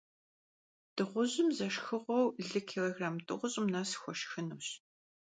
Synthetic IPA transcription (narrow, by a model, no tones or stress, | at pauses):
d̥ɨʁʷʊʑɪmzɐʃxɨʁʷɔwɮɨkʰeloɣraːmtʼɨ̰ʁʷʊɕʼɪmnasxʷɔʃxɨnuːɕ